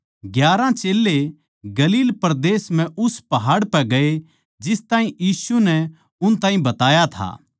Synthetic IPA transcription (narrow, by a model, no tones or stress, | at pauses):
ɡjaːɾãt͡ʃeːlːe | ɡɐliːlpɐɾd̪eːsm̤ɛ̃ʔʊspɐɦaːɽpɛɡɐe | d͡ʒɪst̪aːɦĩjiːsunɛ | ʊnt̪ãːɦĩbɐt̪aːjat̪ʰa̰ː